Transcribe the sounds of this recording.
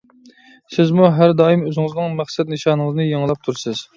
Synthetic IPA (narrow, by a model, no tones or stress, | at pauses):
sɪzmuɦæɾd̪ɑːjimøzɪŋɨznɨŋmæχsɛt̪nɨʃɑːnɨŋəznɨjeŋlˠɑp̚t̪ʰuɾsɨz̥